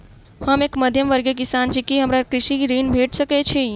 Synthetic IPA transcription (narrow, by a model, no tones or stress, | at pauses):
həmekməd̪ʱjəmʋəɾɡekisand͡ʒikiɦəmɾakɾiʃiɾinbʱeʈsəkɛt͡ʃʰi